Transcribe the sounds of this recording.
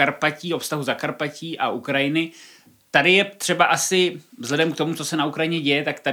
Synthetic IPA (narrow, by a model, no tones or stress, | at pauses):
aɾpaciːofst̪aɦuzakaɾpaciːʔaʔukɾajɪnɪ | t̪adɪjɛt̪r̝̥ɛbaʔasɪvzlɛdɛmkt̪o̞mut͡so̞sɛnaukɾajɪɲɛɟɛjɛt̪akt̪a